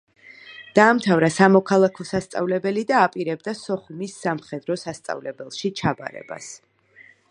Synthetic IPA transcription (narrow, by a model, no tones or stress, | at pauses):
d̪̥aːmt̪ʰavɾasamɔkʰalˠakʰɔsast̪sʼa̰vlɛbɛlid̪aːpʼiɾɛbd̪asɔχumisːamχɛd̪ɾɔsast̪sʼa̰vlɛbɛlˠʃit͡ʃʰaba̰ɾɛ̰ba̰s